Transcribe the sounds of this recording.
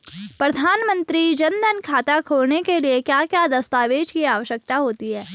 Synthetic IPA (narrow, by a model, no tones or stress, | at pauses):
pɾɐd̪ʱaːnmə̃nt̪ɾid͡ʒɐ̃nd̪ʱənkʰaːt̪akʰoːlnekeliekjaːkjaːd̪ɐst̪aːʋeːd͡ʒkiaːʋəʃjək̚t̪aɦoːt̪iɦɛː